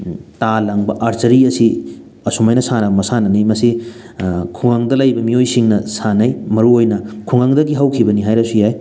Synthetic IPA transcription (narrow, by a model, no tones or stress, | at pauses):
talɐŋbɐʔɐɾt͡ʃɐɾiɐsi | ɐsumajnɐsanɐbɐmɐsanɐnijmɐsi | kʰuŋaŋdɐlɐjbɐmiojsiŋnɐsanɐjmɐɾuojnɐkʰuŋaŋdɐɡiɦɐwkʰibɐniɦajɾɐsujaj